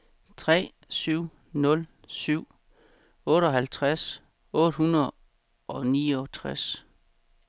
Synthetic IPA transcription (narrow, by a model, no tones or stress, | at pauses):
t͡sʰʁɛ̰ː | syʊ̰ | nɔ̽l | syʊ̰ | ɔ̽ːɾəɒ̽ɦælt͡sʰʁas | ɔ̽ːd̥hunɐðˠ | ʔɒ̽niːɒ̽t͡sʰʁas